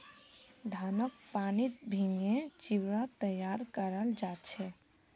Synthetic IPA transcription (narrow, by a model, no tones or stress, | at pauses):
d̪ʱanək̚panit̪̚bʱĩŋɡet͡ʃiʋɾat̪əjaɾkəɾəld͡ʒat̪t͡ʃʰɛ